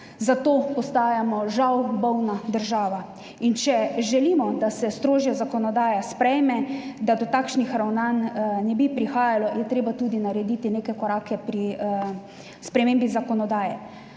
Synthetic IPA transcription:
zat̪oːpɔst̪aːjamɔʒawbɔwnad̪əɾʒaːʋa | int͡ʃɛʒɛlimɔd̪asɛst̪ɾoːʒjazakɔnɔd̪aːjaspɾɛjmɛd̪ad̪ɔt̪aːkʃnixɾawnannɛbipɾixaːjalɔjɛt̪ɾeːbat̪uːd̪inaɾɛd̪it̪ineːkɛkɔɾaːkɛpɾi | spɾɛmeːmbizakɔnɔd̪aːjɛ

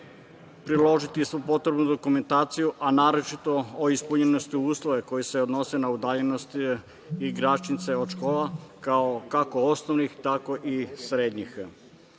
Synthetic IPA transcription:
pɾilˠo̞ʒit̪isʋupo̞t̪ɾe̞bnud̪o̞kume̞nt̪aːt̪sijuʔanaːɾo̞t͡ʃit̪o̞oispuɲenost̪iuːslˠoʋe̞ko̞jiseod̪no̞senaud̪aːʎe̞nost̪ | iɡɾat͡ʃnit̪se̞od̪ʃko̞ːlakaokakoosnoʋnixt̪ako̞ʔisɾeːd̪ɲix

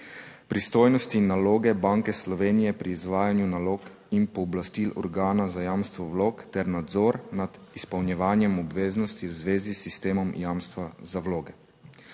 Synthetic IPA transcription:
pɾist̪oːjnɔst̪inːaloːɡɛbaːŋkɛslɔʋeːnijɛpɾiːzʋaːjanjunaloːk | inpɔːblast̪ilɔ̰ɾɡaːnazajaːmst̪ʋɔʋloːkt̪ɛɾnad̪zɔːɾnad̪ispɐwnjɛʋaːnjɛmɔbʋeːznɔst̪iwzʋeːzisːist̪eːmɔmjaːmst̪ʋazawloːɡɛ

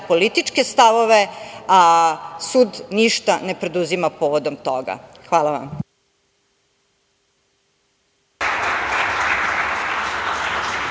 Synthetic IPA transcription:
polit̪it͡ʂkest̪aʋoʋeasuːd̪niʃt̪ane̞pɾe̞d̪uzimapoːʋod̪omt̪oɡa̰xʋaːlaʋa̰m

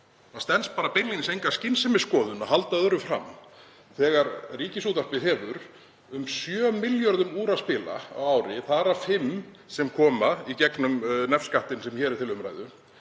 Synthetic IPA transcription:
mast̪ɛnspaːɾapenlinsejŋkḁscɪnsɛmɪskɔːðʏnaɦalt̪aðœɾʏfɾa̰m | θɛːɣaɾriːcɪsuːt̪ahpɪɦɛvʏɾ | ʏmsjœːmɪljɔɾðʏmuːɾaspɪːla̰a̰waːwɾɪθaːɾafɪm | sɛmkʰɔːmaicɛknʏmnɛfskaht̪ɪnsɛmçɛːɾɪɾt̪ʰɪlʏmɾa̰jðʏ

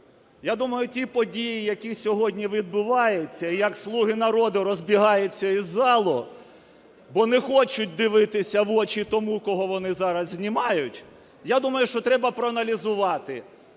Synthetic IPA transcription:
jad̪umɐjʊtʲipɔdʲijijɐkʲisʲɔɦɔdʲnʲiʋʲid̪̚bʊʋɑjet͡sʲːɐijɐkslˠuɦɪnɐɾɔd̪ʊɾɔzʲbʲiɦɑjʊt͡sʲːɐizːɑlˠʊ | bɔnɛxɔt͡ʃʊt̚ʲd̪ɪʋɪt̪ɪsʲɐʋɔt͡ʃit̪ɔmukɔɦɔʋɔnɪzɑɾɐzzʲnʲimɑjʊtʲ | jad̪umɐjʊʃt͡ʃɔt̪ɾɛbɐpɾɔɐnɐlʲizʊʋɑt̪ɪ

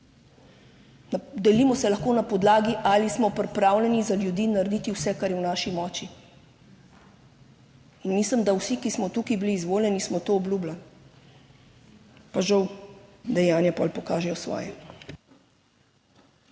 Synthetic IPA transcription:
d̪ɛlimɔsɛlaxkoːnapɔd̪laːɡiʔalismɔpɾɛpɾaːwlʲɛnizaljud̪iːnaɾd̪iːt̪iwsɛkaɾjɛwnaːʃimɔːt͡ʃi | nmisləmd̪awsikismɔt̪ukibiliːzʋoːljɛnismɔt̪oɔblublan | paʒɐwd̪ɛjaːnjapɔ̰lpɔkaːʒɛjɔsʋɔ̰ːjɛ

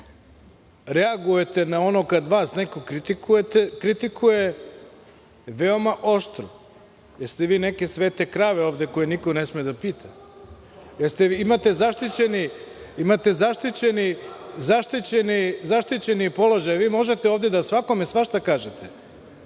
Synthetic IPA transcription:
ɾeaɡuje̞t̪e̞nao̞nokad̪ʋaːsneko̞kɾit̪ikujet̪ekɾit̪ikʰuje̞ | ʋeo̞maʔo̞ʃt̪ɾo | jeɾst̪eʋiːneke̞sʋeːt̪e̞kɾaːʋeoːʋd̪eko̞jenikonesmied̪apiːt̪ʰa | jeɾst̪eimat̪e̞zaʃt̪it͡ɕe̞niimat̪e̞zaʃt̪it͡ɕe̞nizaʃt̪it͡ɕe̞nizaʃt̪it͡ɕe̞nipo̞lo̞ʒajʋiːmo̞ʒe̞t̪eo̞ːʋd̪e̞d̪asʋako̞mesʋaʃt̪akaːʒet̪e

